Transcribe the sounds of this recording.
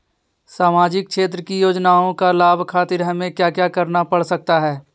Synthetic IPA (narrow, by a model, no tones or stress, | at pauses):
saːmaːd͡ʒɪk̚kʃeːt̪̬ɾəkijoːd͡ʒnaːõkalaːbʱkʰaːt̪ɪɾɦɐmẽkjaːkjaːkɐɾnapɐɽsɐk̚t̪aɦɛː